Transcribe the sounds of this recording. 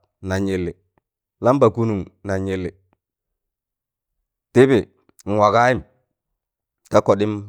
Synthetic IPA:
na˨ɲi˨lːɪ˨ | la˦mba˨ku˦nu˨ŋna˨ɲi˨lːɪ˨ | ti˦bi˨ | ŋ̩˨wa˨ka˦i˦m | ka˦kɔ˨ɗi˦m

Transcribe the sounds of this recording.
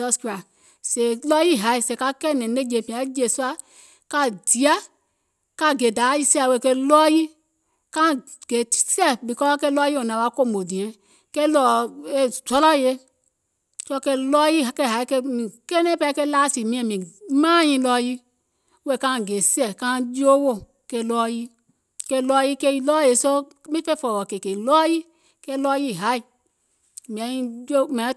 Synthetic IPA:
ɔ˦ska˨ | se˨lɔ˦ji˦ɦa˨i˦se˨ka˦ke˦˨nɛ̃˨ne˦d͡ʒe˨pĩ˨a˨˦d͡ʒe˨su˦a˦ | ka˦di˨a˦ | ka˦˨ɡe˨da˨˦ji˦si˦a˨we˦˨ke˦lɔ˦ji˦ | kã˦ | ɡ̥e˨sɛ˦bi˨kɔ˦ke˦lɔ˦ji˦o˨nã˨wa˨˦ko˦mo˨di˨e˦ | ke˦lɔ˨e˦zʷɔ˦lɔ˦˨je˦ | so˦ke˦lɔ˦ji˦˨ke˦˨ɦa˨i˦ke˦mi˨ke˦ne˦pɛ˦ke˦la˦si˨mĩ˦ɛ˨mĩ˨mã˦jĩ˦lɔ˦ji˦ | e˦˨kã˦˨ɡe˨si˦ɛ˦˨kã˦d͡ʒo˦wo˦˨ | ke˦lɔ˦ji˦ | ke˦lɔ˦ji˦ke˦lɔ˦je˨so˦ | mi˦fe˦fɔ˨ɔ˨ke˨ke˨lɔ˦ji˦ | ke˦lɔ˦ji˦˨ɦa˨˦i˨ | mĩ˨ã˨˦ji˦d͡ʒo˦me˨˦

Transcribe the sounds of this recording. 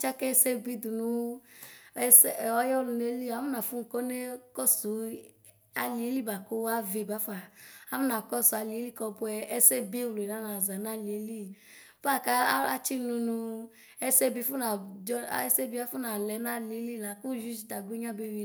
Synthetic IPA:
t͡ʃa˦kɛ˦˨se˦bi˦du˨nũ˨˦ | sɔ˦jɔ˦lu˧ne˦li˦˨a˨˦mu˦nã˨fu˦ŋ̩˨ko˦ne˦kɔ˦su˨˦ | a˨˧li˨e˦li˦ba˨ko˦a˦ve˨ba˨˦fa˨a˦mu˦nã˨kɔ˦su˨a˧li˨e˦li˦kɔ˧bu˧˦ɛ˧ɛ˦se˦bi˦˨lu˨e˨na˦na˨za˨na˦˨li˨e˨˦li˦˨ | b̥a˦˨ka˦a˦t͡ʃi˦lũ˧nũ˧ | ɛ˦se˦bi˧˦fu˦na˨d͡ʒɔ˦ɛ˦se˦bi˦a˦fu˦nã˨lɛ˨˦na˦li˨˦li˦˨la˨˦ku˦ʒi˦d͡ʒi˨ta˨ɡe˦ɲã˦be˦˨wi˨

